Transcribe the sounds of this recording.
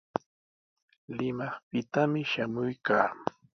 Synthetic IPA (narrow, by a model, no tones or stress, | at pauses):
lɪmɑχpɪt̪amɪʃamʊjka̰ː